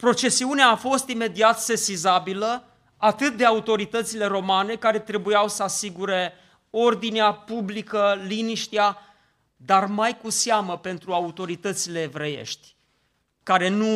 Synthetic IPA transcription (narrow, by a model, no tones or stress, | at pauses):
pɾo̞t͡ʃe̞siuneaːfo̞st̪ime̞d̪iat̪se̞sizabilə | at̪ɨt̪̚d̪e̞aut̪o̞ɾit̪ət̪sile̞ɾo̞mane̞kaɾe̞t̪ɾe̞bujawsəasiɡuɾe̞ | o̞rd̪ineapublikəliniʃt̪ia | d̪armajkusaməpe̞nt̪ɾuaut̪o̞ɾit̪ət̪sile̞ːvɾe̞je̞̰ʃt̪ʲ | kaɾe̞nu